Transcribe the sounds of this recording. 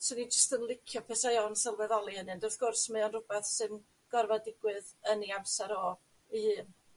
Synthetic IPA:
sʰɔnid͡ʒəstənlˠɪkʰjɔpʰɛsajɔnsɛlˠvɛðɔlˠiənɨndɔrθɡ̥ʊrsmɛɔnrʊbɛθsɨn | ɡ̥ɔrvadɪɡwɨðəniamsɛɾɔ | ihɨːn

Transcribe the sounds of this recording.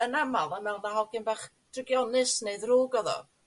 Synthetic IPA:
ənamalˠamɛlˠðaɦɔɡɪnbaχ | d̥rɪɡjɔnɨsneɨðruːɡɔðɔ̰

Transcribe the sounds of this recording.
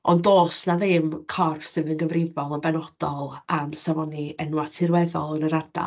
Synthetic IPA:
ʔɔndoːsnaðɪmkʰɔrfsɪðənɡəvrɪvɔlˠənbɛnɔd̥ɔlˠamsavɔniɛnwatʰɪrwɛðɔlˠənəɾada̰

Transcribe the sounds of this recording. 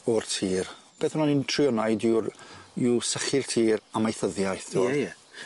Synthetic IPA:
ɔrtʰiːrb̥eːθʊnɔnintʰriɔnajdurusəχɪr̥tʰiːɾamajθəðjajθɔɛ

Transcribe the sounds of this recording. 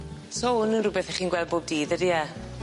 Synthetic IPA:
soʊnənrʊbɛθɛχiːnɡwɛlˠd̚boːb̚diːðədiɛ

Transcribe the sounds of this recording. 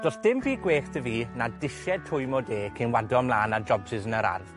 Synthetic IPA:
d̥ɔsd̥ɪmbiːɡweːxtʰəviːnadɪʃjɛd̚tʰʊɨmɔdeːkʰinwadɔmlˠaːnad͡ʒɔbsɪzənəɾa̰rv̥

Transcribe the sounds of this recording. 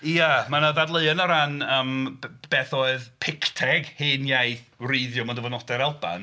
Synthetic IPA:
iamanaðadlˠəɨənəɾanəmb̥ɛθɔɨðpʰɪktʰɛɡheːnjajθreðjɔmɔdəvɔnɔdɛɾɛlˠba̰n

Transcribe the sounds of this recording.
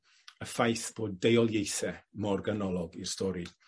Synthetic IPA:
əfajθb̥oːdejɔlˠjejθɛmɔrɡanɔlˠɔɡirstʰɔɾi

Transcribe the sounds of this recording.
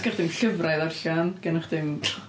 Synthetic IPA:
ɡ̥ɛχd̥ɪmɬəvrajðarɬanɡ̥ɛnaχd̥ɪm

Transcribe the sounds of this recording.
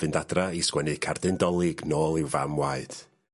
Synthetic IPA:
vɨndadraiskwɛnɨkʰardɨndɔlˠɪɡnoːlˠɪwva̰mwaɨd̥

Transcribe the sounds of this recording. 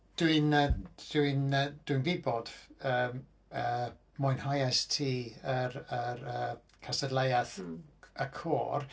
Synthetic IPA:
d̥winəd̥uɨnəd̥wɨnvɪbɔd̥əːm | ə | mʊjnhajastʰiːəɾəɾəː | kʰastədlˠajaθəkʰo̰ːr

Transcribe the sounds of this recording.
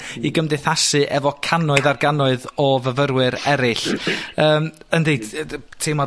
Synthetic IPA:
iɡəmdɪθasɨʔɛvɔkʰanɔɨðarɡanɔɨðɔvəvəɾwɨɾɛɾɪɬəːməndejtʰemɔ

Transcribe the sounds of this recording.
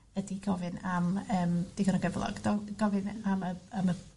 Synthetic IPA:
ədiɡɔvɨnaməːmd̥iɡənɔɡəvlˠɔ̰ɡ̥dɔɡ̥ɔvɨnaməamə

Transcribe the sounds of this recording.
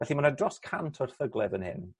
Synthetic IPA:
vɛɬimanədrɔskʰantʰɔrθəɡlˠɛðənhɪ̰n

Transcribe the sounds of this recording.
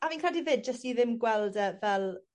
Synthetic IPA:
aviːnkʰr̥ɛdivɪːd̚d͡ʒəstiðɪmɡwɛlˠdəvɛlˠ

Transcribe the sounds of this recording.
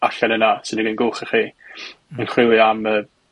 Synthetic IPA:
aɬɛnənasɪdniɡɪnɡʊχɪχiː | ənχwɪwɨamə

